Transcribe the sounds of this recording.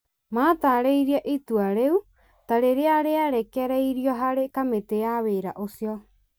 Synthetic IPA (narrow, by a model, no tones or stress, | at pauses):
maːtaɾejɾiaʔituaɾeu | taɾeɾeaɾeaɾekeaɾejɾioɦaɾekameteaβeɾa̰ʔosio